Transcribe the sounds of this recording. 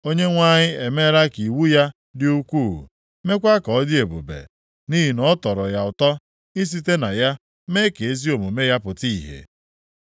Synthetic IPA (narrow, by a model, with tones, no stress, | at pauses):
o˦ɲe˦ŋʷa˦ɲɪ˦e˨me˦ɾa˦ki˨wu˦ja˦ | dɪ˦u˦kʷuː˦˨ɦṵ˨ | me˦kʷa˦kɔ˨ɔ˦dɪ˦e˨bṵ˨bḛ˨ | ni˦ɦi˨nɔ˦tɔ˨ɾɔ˨ja˨ʊ˨tɔ˦ | i˦s̬i˦te˦na˨ja˦ | me˦ke˨e˦zi˦o˨mu˨me˦ja˦pʊ˨ti˦˨ɦḛ˨